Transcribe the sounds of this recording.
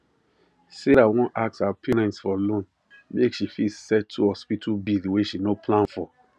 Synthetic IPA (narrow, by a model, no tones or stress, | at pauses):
seɾawɔ̃nʔak̚sapʰeɹɛ̃ntsfɔlõn | mekʃifisɛtʰːuhɔspitʰubidweʃinopʰlãnfɔ